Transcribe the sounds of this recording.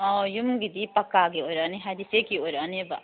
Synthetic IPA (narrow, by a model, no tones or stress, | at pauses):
ɔjumɡid̪ipɐkːaɡioɾaniɦad̪isekioɾaneba̰